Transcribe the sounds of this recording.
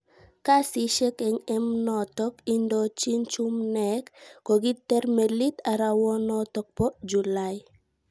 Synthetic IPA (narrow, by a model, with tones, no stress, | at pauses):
ka˦si˦ʃe˦kɛ˨ŋɛ˦mnɔ˨tɔ˦ki˦ndot͡ʃi˦nt͡ʃu˦mnɛ˨kːo˨ɡi˦tɛ˦ɾme˨li˦t̪a˨ɾa˨wɔ˦nɔ˦tɔk̚pɔ˦d͡ʒu˨laj